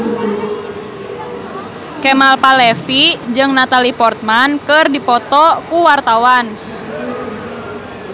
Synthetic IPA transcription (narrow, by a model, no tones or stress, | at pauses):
kɛmalpalɛfid͡ʒɨŋnat̪alipɔrt̪̚mankɨrdipɔt̪ɔkuwart̪awan